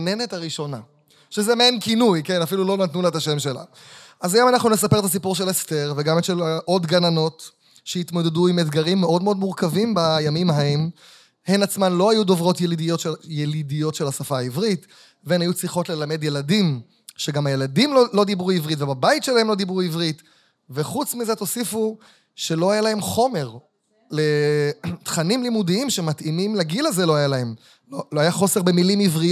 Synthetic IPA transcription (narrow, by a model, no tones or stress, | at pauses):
ne̞ne̞taʁiʃo̞na | ʃezemenkinujke̞nafilulo̞natnuletaʃe̞mʃe̞la̰ | azajo̞manaχnunesape̞t̪asipuʁʃelesteʁveɡametʃelaʔo̞dɡanano̞t | ʃeit̪mo̞d̪eduimedɡaʁimːeʔo̞dmeod̪muʁkavimbajamimaaem | he̞nat͡smanlo̞hajudo̞vʁo̞tjelidijojelidijo̞tʃelhasafaːivʁit | veenajut͡sliχo̞tle̞lame̞d̪je̞ladim | ʃeɡamaje̞ladimlolo̞d̪ibʁuivʁitvebabaitʃelahemlo̞d̪ibʁuivʁit̪ | ve̞χut͡smizet̪o̞sifu | ʃe̞lo̞ajalaɦe̞mχo̞me̞ʁ | le̞t̪χanimlimud̪iimʃemat̪imimleɡilaze̞lo̞ajalae̞m | loloajaχo̞se̞ʁbe̞milimivʁi